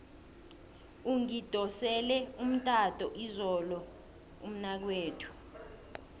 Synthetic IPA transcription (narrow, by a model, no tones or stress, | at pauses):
uŋid̥ʱɔsɛlɛum̩tʼatʼɔʔizɔlɔ | um̩nak̬weːtʰu̥